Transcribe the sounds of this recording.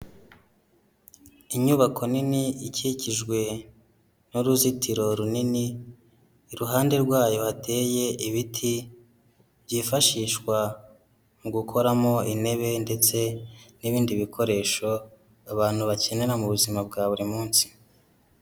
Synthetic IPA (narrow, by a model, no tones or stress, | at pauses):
iɲuβakʰo̞niniiciciʒɡwe̞ | noɾuzitʰiɾo̞ɾunini | ɾuɦaːnde̞ɾɡwaːjo̞hate̞ːje̞iβitʰi | βjifaʃiːʃkwa | muɡukʰo̞ɾamo̞ine̞βe̞nde̞t͡se̞niβiːndiβikʰo̞ɾe̞ʃo̞ | aβaːn̥huβace̞ne̞ɾamuβuzimab̚ɡaːβuɾimuːnsi̥